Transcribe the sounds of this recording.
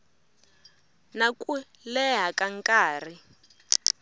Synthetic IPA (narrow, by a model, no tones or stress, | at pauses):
nakʼu | lɛɦakʼaŋkʼaːr̤i